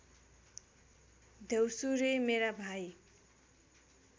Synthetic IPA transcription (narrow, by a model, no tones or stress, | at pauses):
d̪ʱewsuɾemeɾabʱaj